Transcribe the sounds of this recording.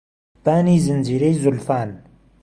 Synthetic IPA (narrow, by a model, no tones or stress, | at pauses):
p̪aːniːzɪnd͡ʒiːɾejzʊlfaːn